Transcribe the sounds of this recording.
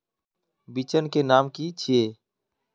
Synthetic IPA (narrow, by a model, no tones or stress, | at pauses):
bit͡ʃənkenaːmkit͡ʃʰieː